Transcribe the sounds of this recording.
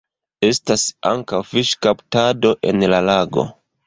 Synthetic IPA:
e̞stasa̰ŋkawfiʃkaptado̞ʔe̞nlalaɡo̞̰

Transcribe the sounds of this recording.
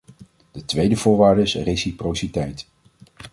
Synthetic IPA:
d̥ətʋejdəvʊːɹʋaːɹdəɪsresiprowsitɛjt

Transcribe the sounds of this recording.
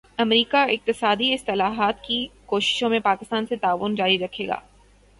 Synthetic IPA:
ɐmɾiːkaɪq̚t̪ɪsaːd̪iɪst̪ɪlaːɦaːt̪kikoːʃɪ̥ʃõmẽpaːkɪst̪aːnset̪aːʋʊnd͡ʒaːɾiɾɐkʰeːɡa̰ː

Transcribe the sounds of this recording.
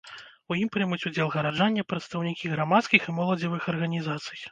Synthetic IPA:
ujimpɾɨjmut͡sʲud͡zʲɛlˠɣɐɾad͡ʐanʲːɐpɾɐt̪st̪ɐwnʲikʲiɣɾamat̪skʲiximɔlˠɐd͡zʲɐvɨxɐrɣɐnʲizat̪sɨ̥j

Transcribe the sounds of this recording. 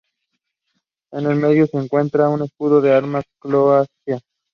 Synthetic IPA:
ene̞lme̞ðjoseːŋkwe̞nt̪ɾaune̞skuðoðeaɾmaskloasja

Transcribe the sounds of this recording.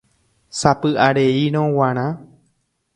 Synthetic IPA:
sapɨʔaɾeiɾ̃õwãɾ̃ã

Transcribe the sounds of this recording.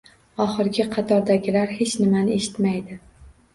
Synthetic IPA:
ɒχɪɾɡʲɪqʰɑt̪ʰɒɾd̪aɡʲɪlaɾhe̞t͡ʃnɪmanɪe̞ʃɪ̥t̪majd̪ɪ

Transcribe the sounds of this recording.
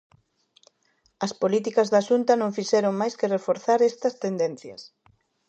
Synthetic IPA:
ɐspolit̪̬ikɐzðaʃunt̪ɐnõŋfiʃɛɾoŋmajskɪrefoɾθaɾest̪ɐst̪end̪enθjɐ̰s

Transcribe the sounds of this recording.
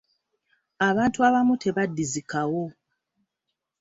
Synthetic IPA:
aβaːntuaβamutʰe̞βadːizikawo̞

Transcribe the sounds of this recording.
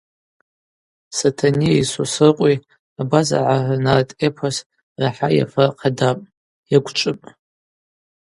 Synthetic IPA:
satʰaniisosɨrqʷʼi | abaza̰ʕanartʼepʰas | raħaja̰faqʰadapʼ | jaɡʷt͡ʃʷʼɨpʼ

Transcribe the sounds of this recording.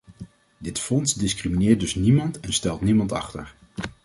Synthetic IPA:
dɪtfɔnsdɪskriminɪːɹt̚dɵsnimɑntɛnstɛlˠtnimɑntɑ̰χtə̰ɹ

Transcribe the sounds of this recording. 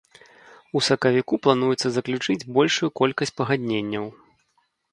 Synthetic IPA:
usɐkɐvʲikuplˠanujɛt̪sːɐzɐklʲut͡ʂɨd͡zʲbɔlʲʂujukɔlʲkɐsʲt͡sʲpɐɣad̪ʲnʲenʲːɐw

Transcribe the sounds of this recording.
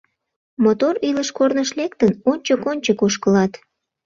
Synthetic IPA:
mot̪oriləʃkornəʃlek̚t̪ənonʲt͡ɕəkonʲt͡ɕəkoʃkəlɑt̪

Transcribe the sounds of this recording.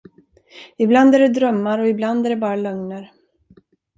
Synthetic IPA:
ɪbland̪æɖɛd̪ɾœmːaɾɔɪbland̪æɖɛbɑːɾalɵŋnəɾ

